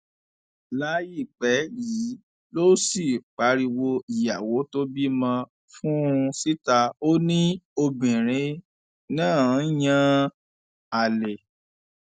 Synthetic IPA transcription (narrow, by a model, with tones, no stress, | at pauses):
la˦ji˦˨k͡pɛ˨˦ji˨˦ | lo˦si˦˨k͡pa˨˦ɾi˧wo˧i˨ja˨wo˨˦to˦bi˦mã˧ | fũ˦˧si˦ta˧o˦nĩ˦o˧bĩ˨ɾ̃ẽ˧˦ | nãː˦˨˦jã˦ | a˨le˨